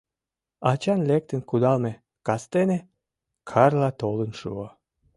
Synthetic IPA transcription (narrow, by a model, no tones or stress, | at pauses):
ɑt͡ɕɑnlek̚t̪ənkud̪ɑlme | kɑst̪ene | kʰɑrlɑt̪olənʃṵo